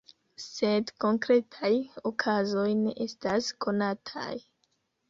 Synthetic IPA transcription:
se̞dko̞ŋkɾe̞tʰajokʰazo̞jne̞ʔe̞staskʰo̞natʰa̰j

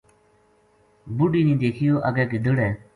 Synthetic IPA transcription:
buɖiːnĩːd̪eːkʰɪjoːʔəɡɛːkid̪əɽɛː

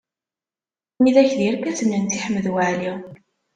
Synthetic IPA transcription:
miðæçðiɾkæθənːənt̪iħmːəðwaʕli

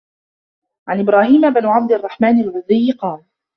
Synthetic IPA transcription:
ʕanʔɪbɾaːhiːmabnʕab̚d̪ɑrˤːɑħmaːnalʕʊðˤɪjːqɑːl

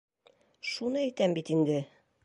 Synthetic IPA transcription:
ʃunɤæjt̪æmbit̪ind̪ɘ

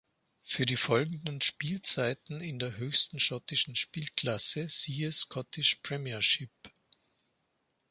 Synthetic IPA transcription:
fyːɐɾiːfɔlɡŋ̩dn̩ʃpiːlt͡saɪtn̩ɪndeːɐɦøːçstn̩ʃɔtɪʃn̩ʃpiːlkʰl̥asəsiːəskʰɔtʰɪʃpʁ̥ɛmiɐʃɪp

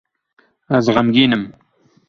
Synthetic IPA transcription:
azʁamɡiːnəm

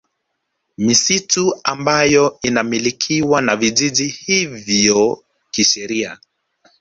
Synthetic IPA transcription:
misituambajɔinamilikʰiwanaviʄiʄihivjɔ | kiʃɛɾia

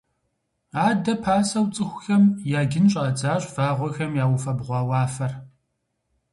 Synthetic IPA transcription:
aːdɐpʰaːsɐwt͡sʼɨxʷʊxɐmjaːɡɪnɕʼɐd͡zaːɕʼv̥aːʁʷɔxɐmjaːwʊfɐbʁʷɑːwaːfɐr

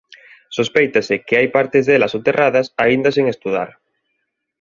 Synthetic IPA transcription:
sospejt̪asɪkɪajpaɾt̪ezðelasot̪erʔaðɐsaind̪ɐseŋest̪uða̰ɾ

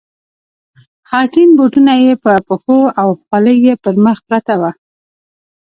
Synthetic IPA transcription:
xɑʈinboʈunajepəpəxoawxwaləjwepəɾməxpɾat̪awa

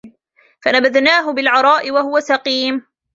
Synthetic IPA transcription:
fanabaðnaːɦʊbɪlʕɑɾˤɑːʔɪwaɦʊwasɑqiːm

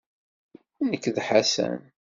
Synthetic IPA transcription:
nəkːðħasæ̰n

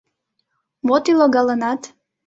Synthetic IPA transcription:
mot̪iloɡɑlənɑt̪

